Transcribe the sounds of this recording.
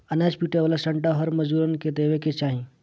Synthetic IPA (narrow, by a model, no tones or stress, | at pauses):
ənaːt͡ʃpiːʈeʋaːlasə̃ɳʈaɦəɾməd͡ʒuɾənked̪eːweket͡ʃaːɦĩ